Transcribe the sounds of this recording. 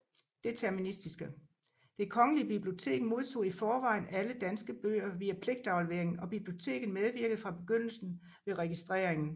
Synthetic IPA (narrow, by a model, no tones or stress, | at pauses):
d̥e̝t͡sʰæɐminisd̥isɡ̥ə | d̥e̝kʰɒ̽ŋəliəb̥ib̥lio̝t͡sʰe̝̰ːɡ̥mo̝ð̞ˠt͡sʰo̝̰ːifɒːʋɑ̈ɪ̰næləd̥ænsɡ̥əb̥ø̰ːɐʋiæpʰle̝ɡ̥̚d̥ɑ̈ʊləʋeɐeŋn̩ɒ̽b̥ib̥lio̝t͡sʰe̝̰ːɡ̥ðn̩með̞ˠʋiɐɡ̥ð̩ˠfʁɑ̈b̥e̝ɡ̥øn̰l̩sn̩ | ʋe̝ʁɛɡ̥isd̥ʁɛ̰ɐeŋn̩